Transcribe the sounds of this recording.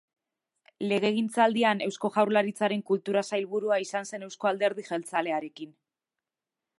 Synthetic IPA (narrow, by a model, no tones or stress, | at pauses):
le̞ɣ̞e̞ɣ̞int͡sald̪iane̞wsko̞ʝawɾlaɾit͡saɾe̞ŋkult̪uɾasajlβuɾuaisanse̞ne̞wsko̞ald̪e̞ɾð̞iʝe̞lt͡sale̞aɾe̞kin